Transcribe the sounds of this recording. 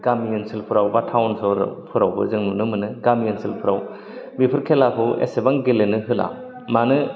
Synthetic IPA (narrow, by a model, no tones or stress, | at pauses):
ɡ̥amiɯnsilpʰɯɾawbatʰawnsɔɾ̰pʰɯɾawbɯ̰zɯŋnunɯmɯnɯɡamiɯnsʰilpʰɯɾaw | bipʰɯɾkʰelakʰɯwḛsebaŋɡelenɯɦɯla̰ | manɯ